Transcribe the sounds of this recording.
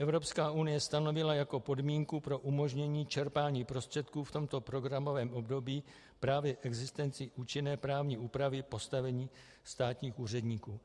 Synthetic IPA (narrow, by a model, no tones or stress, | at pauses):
ʔɛvɾo̞pskaːʔunɪjɛst̪ano̞vɪlajako̞po̞dmiːŋkupɾo̞ʔumo̞ʒɲɛɲiːt͡ʃɛɾpaːɲiːpɾo̞st̪r̥ɛt̪kuːft̪o̞mt̪o̞pɾo̞ɡɾamo̞vɛːmʔo̞bdo̞biː | pɾaːvjɛfʔɛɡzɪst̪ɛnt͡sɪʔuːt͡ʃɪnɛːpɾaːvɲiːuːpɾavɪpo̞st̪avɛɲiː | st̪aːt̪ɲiːxʔuːr̝ɛdɲiːkuː